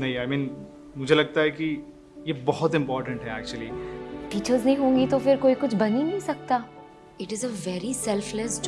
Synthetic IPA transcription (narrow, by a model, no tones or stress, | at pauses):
nɐɦĩaɪmĩːn | mʊd͡ʒʱelɐɡ̚t̪aɦɛki | jebɔɦɔt̪ɪ̃mpɔːɾʈə̃ɳʈɦɛæːk̚t͡ʃuəliʈiːt͡ʃəɾznɐɦĩɦõːŋɡit̪ofɪɾkoːikʊt͡ʃʰbɐninɐ̃ɦĩsɐk̚t̪aː | ɪʈɪzəʋɛɾisɛlflɛs